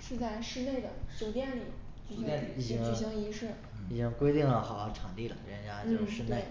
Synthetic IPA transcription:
ʂɻ̩˥˧t͡sa˥˧ɪʂɻ̩˥˧ne˥˩ɪd̪ə˩t͡ɕjo˨˩ʊt̪jɛ˥˩nli˨˩˦ | ɛ˥˧n˨˧˩i˨˩t͡ɕi˥ŋ˧˩ɕɑ˥ŋi˧˥ʂɻ̩˥˩ | i˨˩t͡ɕi˥ŋkwe˥ɪt̪i˥˩ŋlə˩xɑ˨˩ʊxɑ˥˩ʈ͡ʂʰɑ˨˩ŋt̪i˥˩lə̰˩˥ə˥nja˥n̩˥˧˥ʂɻ̩˥˧ne˥˩ɪ

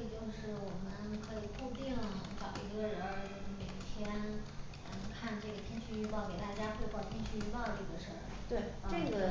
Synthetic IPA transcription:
t͡ɕjo˥˧ʊʂɻ̩˥˩wɔ˨˩mə˦nkʰɤ˧˥i˨˩ku˥˧t̪i˥˩ŋfɑ˨˩ʊ˧˥˩i˧˥ɡə˥˧ɻə˧˥˧o˧˩˧me˨˩i˥˩t̪ʰjɛ˥n | ə˥˧˩kʰa˥˧nʈ͡ʂɤ˥˩ɡə˩t̪ʰi˥nt͡ɕʰy˥˧y˥˧pɑ˥˩ʊke˨˩ɪt̪a˥˩t͡ɕja˥xwe˥˧pɑ˥˩t̪ʰi˥nt͡ɕʰy˥˧y˥˧pɑ˥˧ʊʈ͡ʂɤ˥˩ɡə˩ʂə˞˥˩ | t̪we˥˩ɪa˧˥ʈ͡ʂɤ˥˩˥ɡə˩

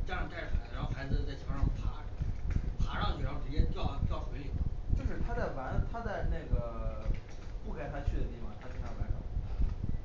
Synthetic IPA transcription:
ʈ͡ʂɑ˥˧ŋt̪a˥˩ɪʈ͡ʂə˩xa˧˩˥ɪ˧ʂɑ˥˩xa˧˥ɪd͡zɹ̩˧˥t͡sa˥˩t͡ɕʰɑ˧˥ʂpʰa˧˥˧pʰa˧˥ʈ͡ʂɑ˥ʊt͡ɕʰi˨˩ʂɑ˥ʊʂ̩˥˩jɛ˥t̪jɑ˥˩ʊt̪jɑ˥˩ʊxwe˧˥ɪli˨˩˧t͡ɕjo˥˧ʊʂɻ̩˥˩t̪ʰa˥t͡sa˥˩ɪwa˧˥nt̪ʰa˥t͡sa˥˧ɪna˥˩ɡə˩ | pu˥˩kʰa˥˩ɪt̪ʰa˥t͡ɕʰy˥˩d̪ə˨˩t̪i˥˩fɑ˨˩t̪ʰa˥t͡ɕi˨˩ʂɑ˥˩wa˧˥ʈ͡ʂɑ̰˥˩ʊ˧˩˧

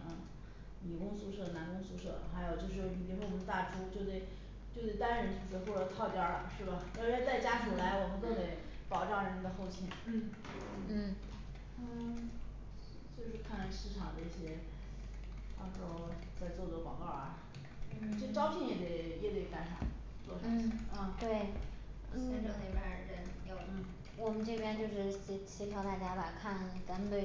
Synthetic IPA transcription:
ə˧ | ni˨˩kʊ˥ŋsu˧˥ʂɤ˥˩na˧˥nkʊ˥ŋsu˧˥ʂɤ̰˥˩xa˧˥ɪjo˨˩ʊt͡ɕjo˥˧ʊʂ̬ɻ̩˥˩i˨˩˥wwɔ˨˩ə˦˥t̪a˥˩ʈ͡ʂu˥t͡ɕjo˥˧ʊt̪̬we˥˩ɪ | t͡ɕjo˥˧ʊt̪we˥˩ɪt̪a˥nɻə˧˥n̩˥˩t͡sɹ̩˧˥xwɔ˥˩ʈ͡ʂə˨˩t̪ʰɑ˥˧ʊt̪jɑ˥ʂɻ̩˥˩bɐ˨˩jo˧˥˧t͡sa˥˩ɪt͡ɕja˥kʰi˨˩la˧˥ɪwɔ˨˩mə˦nt̪o˥˩t̪e˧˥ɪ | pɑ˨˩ʊʈ͡ʂɑ˥˩ŋɻə˧˥na˥˩ɡ̪ə˧xo˥˧ʊt͡ɕʰi˥˩nn̩˥˩˥ | t͡ɕjo˥˧ʊʂɻ̩˥˧kʰa˥˧nla˥˧˩ʂɻ̩˥˩ʈ͡ʂʰɑ̰˨˩ŋd̪ə˦i˥˩ɕjɛ˥ | t̪ɑ˥˧ko˥˧ʊt͡sa˥˧ɪt͡sɔ˥˩˨kwɑ̰˨˩ŋkɑ˥˩ʊ̰˧˩˥ | t͡ɕo˥˩ʂʈ͡ʂɑ˥pʰjɛ˥˩njɛ˧˩e˧˩ɪjɛ˧˥˩t̪e˧˩k̪a˧˥nʂʰa̰˨˩˦n | t͡swɔ˥˩ʂn̩˩˥˩ɐ˥˧t̪we˥˩ɪ˧ | ɕɛ˥ʈ͡ʂə˧˥ni˨˩bjə˧˥ɻə˧˥njo˧˩˦ʊ˥˩ | wɔ˨˩mə˦nʈ͡ʂɤ˥˩pʰjɛ˥nt͡ɕjo˥˧ʊʂɻ̩˥˩ɕi˧˥t͡ɕʰi˥t̪ʰjɑ˥t̪a˥˩t͡ɕja˥ba˨˩kʰa˥˩nt̪a˧˥n˧t̪we˥˩

